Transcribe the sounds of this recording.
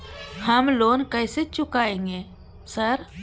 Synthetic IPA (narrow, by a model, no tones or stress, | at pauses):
həmloːnkəɪset͡ʃʊkaːẽːŋɡeː | səɾ